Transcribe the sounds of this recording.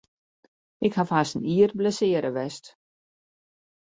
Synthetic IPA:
ɪkhafaːstəniːər̚bləsɪəɾəʋɛst

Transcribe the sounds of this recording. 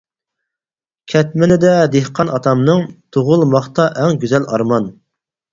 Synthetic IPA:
kʲʰɛt̪̚mɪnɪd̪ɛd̪ehqʰɑnʔɑt̪ʰɑmnɨŋt̪ʰoʁʊlˠmɑχt̪ɑʔɛŋɡʲyzɛlʔɑ̰ɾmɑn

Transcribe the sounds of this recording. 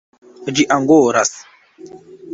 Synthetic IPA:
d͡ʒiʔaŋɡoːɾas

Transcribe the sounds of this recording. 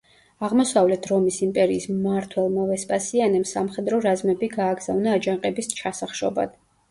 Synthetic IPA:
aʁmɔsavlɛt̪ʰɾɔmisimpʼɛɾiːsmaɾt̪ʰwɛlˠmavɛspʼasianɛmsamχɛd̪ɾɔɾazmɛbiɡaːɡz̥avnaːd͡ʒaŋqʼɛbist͡ʃʰasaχʃɔ̰ba̰d̪̥

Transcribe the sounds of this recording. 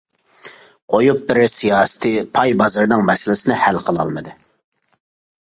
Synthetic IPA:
qʰojup̚bɪɾsijɑːsɨ̥t̪ʰɨpʰɑjbɑzɨɾnɨŋmɛsɪlɪsɪnɨhælqʰəlˠɑ̰lˠmɨd̪ɨ

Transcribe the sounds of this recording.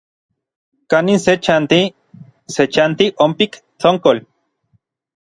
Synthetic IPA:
kaninset͡ʃant̪i | set͡ʃant̪iʔompik | t͡ɬoŋkol

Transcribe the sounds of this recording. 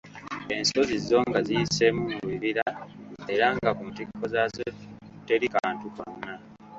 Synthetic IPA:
e̞nso̞zizo̞ŋɡazijise̞mumuwiβiɾae̞ɾaŋɡakuntikʰːo̞zazete̞ɾikaːntuko̰nːa

